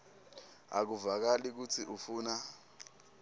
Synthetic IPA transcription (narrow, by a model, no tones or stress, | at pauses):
a̰k̬uvak̬alik̬ut͡sʰiʔufuːna